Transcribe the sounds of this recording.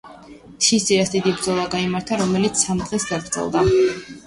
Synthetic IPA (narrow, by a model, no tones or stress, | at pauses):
t̪ʰisd̪iɾasd̪id̪ibɾd̪zɔlˠaɡaimaɾt̪ʰaɾɔmɛlit̪sʰsamd̪ʁɛsɡaɡɾd̪zʰɛ̰lˠd̪a